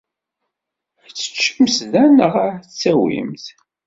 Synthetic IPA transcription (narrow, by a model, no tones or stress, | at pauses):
t͡sːə̥t͡ʃːəmsðænəʁt͡sːæwḭmθ